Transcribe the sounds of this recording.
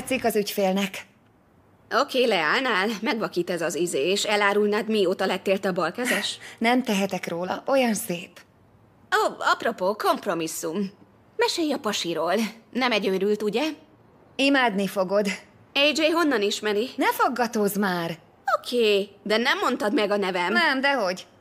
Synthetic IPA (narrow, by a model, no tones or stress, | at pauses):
t̪sikɒzycfeːlnɛk | o̞keːlɛaːlnaːlmɛɡʋɒkiːt̪ɛzɒzizeːeːʃɛlaːɾulnaːt̪mioːt̪ɒlɛt̪eːrt̪ɛɒbɒlkɛzɛʃnɛmt̪ɛɦɛt̪ɛkroːlɒ̰ʔo̞jɒnseːp | ɒɒpro̞poːko̞mpro̞misːum | mɛʃeːjɒpɒʃiɾoːlnɛmɛɟøːɾylt̪uɟɛ | imaːd̪nifo̞ɡo̞d̪ | ɛjd͡ʒeːɦo̞nːɒniʃmɛɾinɛfoɡːɒt̪oːzmaːr | o̞kʰeːd̪ɛnɛmːo̞nt̪ɒd̪mɛɡɒnɛvɛmnɛmd̪ɛɦo̞ɟ